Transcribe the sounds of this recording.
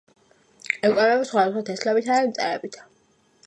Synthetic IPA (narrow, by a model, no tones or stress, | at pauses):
ɛkʼaɾɛbisχwad̪asχwat̪ʰɛslɛbit̪ʰaɛimt̪sʼɛ̰ɾɛbit̪ʰḁ